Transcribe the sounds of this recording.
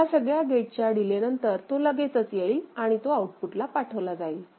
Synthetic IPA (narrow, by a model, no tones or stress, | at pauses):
asəɡɭjaɡeʈ̚t͡ɕjaɽilenənt̪əɾt̪oləɡet͡sət͡sjeilaɽ̃it̪oauʈfuʈlapaʈʰəʋlad͡zail